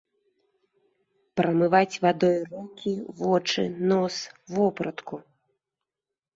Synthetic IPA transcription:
pɾɐmɨvat͡sʲvad̪ɔjrɔkʲivɔt͡ʂɨ̰nɔsvɔpɾɐt̪ku

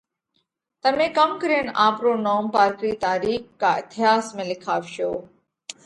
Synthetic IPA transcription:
t̪əmẽːkɐmkəɾeːnaːpɾoːnoːmpaːɾkɾiːt̪aːɾiːkːaːɪt̪ʰɪjaːsmẽːlɪkʰaːʋʃoː

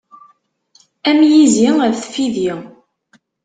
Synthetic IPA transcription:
æmjiziæðθfiði

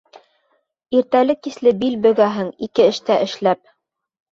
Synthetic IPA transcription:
iɾt̪ælɘkːislɘbilbɵ̆ɡæɦɘŋikɘɘ̆ʃt̪æʔɘ̆ʃlæp̚

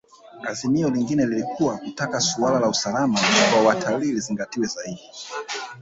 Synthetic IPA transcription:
azimiɔliŋɡinɛlilikʰuwakutakasualalausalamaambaɔwatʰaliːliziŋɡatiwɛzaiɗi

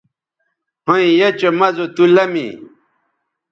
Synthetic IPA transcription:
hõĩjet͡ɕomɐzot̪ulɐmḭ

